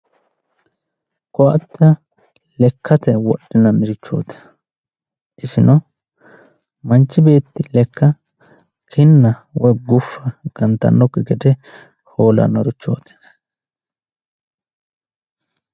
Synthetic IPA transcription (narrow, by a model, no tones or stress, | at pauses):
kɔʔɐt̪ːɐ | lɛkʰːɐt̪ɛwɔɗːɪnɐmɪɾɪt͡ʃːo̞̰ːt̪ɛ̥ | ʔɪsɪnɔ | mɐnt͡ʃːɪbe̞ːt̪ːɪlɛkːɐ | kʰɪnːɐwɔjɡʊfːɐɡ̥ɐnt̪ɐ̰nːɔkɪɡɛd̪ɛ | ho̞ːlɐ̰nɔɾɪt͡ʃːo̰ːt̪ɛ̥